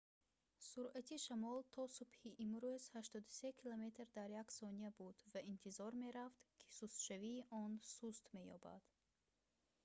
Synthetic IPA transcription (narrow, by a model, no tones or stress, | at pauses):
suɾat̪ʰiʃamɔlt̪ʰɔsubhiʔimɾuz̥haʃt̪ɔd̪use̞kʰilɔme̞t̪ɾd̪aɾjaksɔniabud̪vaint̪ʰizɔɾme̞ɾaft̪kʰi̥sust̪ʃaviːʔɔnsust̪me̞jɔ̰ba̰d̪̥